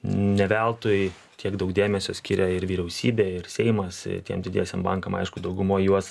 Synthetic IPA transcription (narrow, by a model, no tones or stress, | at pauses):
nʲɛʋʲælˠt̪oːj | t̪ʲiɛɡd̪ɐʊkd̪ʲeːmʲɛsʲoːsʲkʲiɾʲɛɪɾʋʲiːɾʲɛʊsʲiːbʲeːɪɾsʲɛɪmɐst̪ʲiɛmd̪ʲɪd̪ʲḛɛsʲɛmbɐŋkɐmɐ̰ɪʃkʊd̪ɐʊɡʊmoːjjuɔs